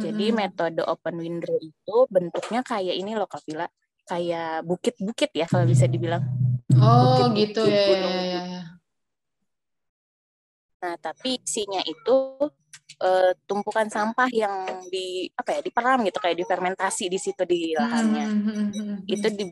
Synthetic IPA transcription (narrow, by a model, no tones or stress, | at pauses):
d͡ʒadimet̪odʔopənwindɾoit̪ubənt̪uk̚ɲakajaʔinilohkapilaʔ | kajabukɪt̪̚bukɪt̪̚jakalabis̬adibilaŋɔbuɪɡit̪uauj | naht̪apisiɲaʔit̪u | ʔəːt̪umpukansampahjaŋdiapajadipəɾamɡit̪ukajaʔdifɛrment̪asidisit̪udilaɦanɲa | it̪udi